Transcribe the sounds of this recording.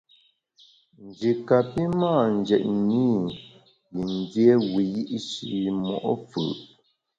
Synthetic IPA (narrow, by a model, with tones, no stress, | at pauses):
n̩˨d͡ʒi˨ka˨pi˦maː˦˨n˨d͡ʒɛ˨t̚ni˦ | ji˨n˦dje˦wi˨ji˦ʔʃḭ˨mɔ̰˨ʔɔ˦fɯ̰˨ʔ